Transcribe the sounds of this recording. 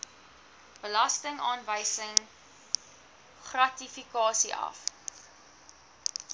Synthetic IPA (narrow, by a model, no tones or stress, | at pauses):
b̥əlɐstəŋɑːnvəjsəŋ | χrɐtifikɑːsiʔɐ̰f